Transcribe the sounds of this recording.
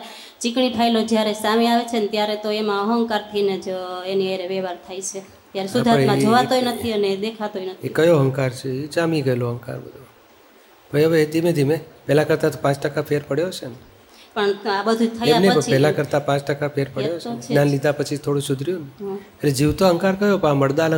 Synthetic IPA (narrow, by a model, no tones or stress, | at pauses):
t͡ʃikɳiʈ̪ʰajlod͡ʒjaɾesameaʋet͡ʃʰenet̪jaɾet̪oemãəɦəŋkaɾt̪ʰəined͡ʒeniəjɾeʋeʋaɾt̪ʰajt͡ʃʰe | t̪jaɾesuamãd͡ʒoʋat̪ojnət̪ʰiəned̪ekʰat̪ojnət̪ekəjoɦəŋkaɾt͡ʃʰeed͡ʒamiɡəeloɦə̃ŋka̰ɾbə̰d̪ʱo | bʱəjəʋed̪ʱimed̪ʱimepɛlãkəɾt̪at̪opãt͡ʃʈəkapʰeɾpəɽjot͡ʃene | pəɳabəd̪ʱut̪ʰəeaneəipɛlakəɾt̪apãt͡ʃʈəkapʰeɾpəɽjot͡ʃt͡ʃnãnlid̪apət͡ʃʰit̪ʰoɽũsʊd̪ʱɾijoneɦeled͡ʒiʋt̪oɦəŋkaɾkəjopəaməɽd̪alə